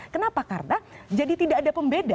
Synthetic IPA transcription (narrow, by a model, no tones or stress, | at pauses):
kənapaka̰rnad͡ʒadit̪idaːdapəmbeda